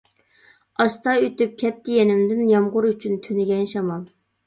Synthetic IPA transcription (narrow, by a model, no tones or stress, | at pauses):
ɑst̪ɑøt̪yp̚kʲʰɛt̪ʰːɪjenɪmd̪ɪnjɑmʁʊɾyt͡ʃʰynt̪ʰynɪɡʲɛnʃɑmɑlˠ